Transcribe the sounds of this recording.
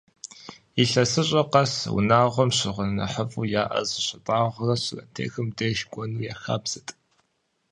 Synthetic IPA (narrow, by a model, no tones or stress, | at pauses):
iɬɐsɨɕʼɐqɐswʊ̰naːʁʷɔmɕɪʁʷənɐ̰ħəfʼuːjaːʔɐ̰zɨɕʷɐtʼaːʁʷrɐɕɪrɐ̰ntʰḛːxɨmdɐʃkʷʼɔnuːjaːxaːbz̥ɨtʼ